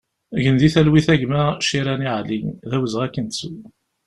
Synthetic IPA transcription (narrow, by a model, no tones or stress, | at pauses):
ʝənd̪iθælwiθæʝmæʃiɾæniʕlinðæwəzʁækːənsu